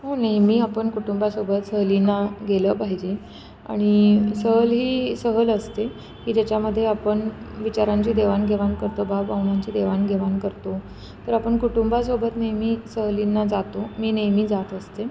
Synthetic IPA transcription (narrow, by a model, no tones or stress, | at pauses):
ɦonajmiːapəɳkuʈumbasobət̪səɦlinːaɡeləpaɦid͡ʑe | a̰ɽ̃isəɦəlɦiːsəɦələst̪e | kiːd͡ʑjat͡ɕaməd̪ʱːjeapəɳʋit͡ɕaɾãɲt͡ɕiːd̪eʋanɡʱeʋankəɾt̪obʱapaunaɲt͡ɕiːd̪eʋanɡʱeʋankəɾt̪o | t̪əɾapəɳkuʈumbas̬obət̪nəjmiːsəɦlinːad͡zat̪omiːnəjmiːd͡zat̪əst̪e